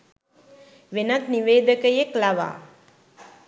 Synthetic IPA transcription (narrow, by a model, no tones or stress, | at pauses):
ʋenat̪niʋeːd̪əkəjeklaʋa̰ː